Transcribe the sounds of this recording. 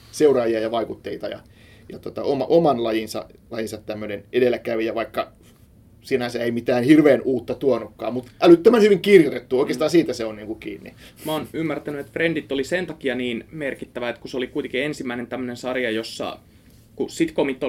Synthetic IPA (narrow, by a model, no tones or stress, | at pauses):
seurɑːjiɑjɑʋɑikut̪ːeit̪ɑjɑ̰ | jɑt̪ot̪ɑ̰omɑ̰ʔomɑnlɑjinsɑ̰lɑjinsɑt̪tæmːønenʔedelːˑækæʋijɑʋɑikːɑ | sinæsæeimit̪æːnhirʋeːnuːt̪ːɑt̪uɑnːukːɑ̰ːmmut̪ʔælyt̪ːømænhyʋiŋkirjot̪et̪ːuoˑikeːst̪ɑːnsiːt̪æseonniːŋkukḭːnːḭmæoːnymːært̪ænyet̪frendit̪ːolisent̪ɑkiɑniːnmerkit̪ːæʋæet̪kuseolikuit̪eŋkiensimːæinent̪æmːønensɑrjɑjosːɑ̰ | kusit̪komit̪ːo